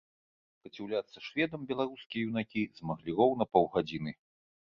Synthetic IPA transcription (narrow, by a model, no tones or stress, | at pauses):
pɐt͡sʲiwlʲat̪sːɐʂvʲɛd̪ɐmbʲɛlˠaɾuskʲijɐjuwnakʲizmaɣlʲirɔwnɐpɔwɣad͡zʲinɨ